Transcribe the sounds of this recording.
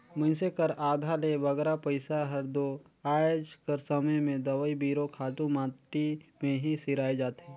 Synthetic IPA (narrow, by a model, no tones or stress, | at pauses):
mʊ̃nsekəɾaːd̪ʱaleʋɐɡɾapəɪsaɦɐɾd̪o | aːjd͡ʒkəɾsəməjmẽd̪ɐʋəibiːɾokʰaːʈũmãːt̪imẽɦisɪɾaːed͡ʒaːt̪ɦɛː